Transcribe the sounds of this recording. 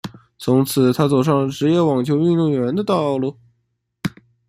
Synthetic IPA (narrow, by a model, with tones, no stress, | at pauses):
t͡sʰʊ˧˥ŋt͡sʰɹ̩˨˩t̪ʰa˥t͡so˨˩ʊʂ̬ɑ˥˩ŋʈ͡ʂɻ̩˧˥jɛ˥˩wɑ˨˩ŋt͡ɕʰjo˧˥ʊy˥˧nt̪ʊ˥˩ŋɥɛ˧˥nd̪ə˧t̪ɑ˥˧ʊlu˥˩